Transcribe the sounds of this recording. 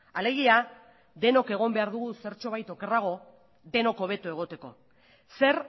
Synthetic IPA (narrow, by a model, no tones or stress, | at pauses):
ale̞ɣia | ðe̞no̞ke̞ɣ̞o̞mbe̞aɾðuɣuse̞ɾt͡ʃo̞β̞ajt̪o̞ke̞raɣ̞o̞ | d̪e̞no̞ko̞β̞e̞t̪ue̞ɣ̞o̞t̪e̞ko̞̰ | se̞ɾ